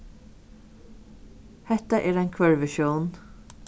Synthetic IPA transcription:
hɛt̪əʔɛːɾæɪnkʰʋœɹʋɪʃjuːn

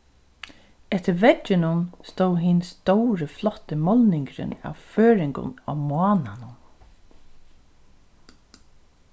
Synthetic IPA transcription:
ɛht̪əɾvɛt͡ʃːɪnʊnst̪owɦɪnst̪ɔwɾəflɔt̪əmɔlnɪŋkɾɪ̰na̰ʋføːɾɪŋkʊ̰na̰mwɑːnanʊn

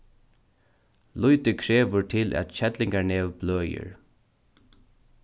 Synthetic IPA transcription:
lʊjt̪ɪkʰɹɛːʋʊɹt̪ʰɪlʔæ̰t̪ɕɛt̪lɪŋkaneːʋbløːjə̰ɹ

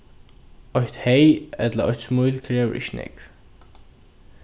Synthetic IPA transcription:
ɔht̪hejɛt̪lɐɔ̰ht̪smujlkʰɾɛːv̰ɾʔɪ̰çnʔɛ̰k

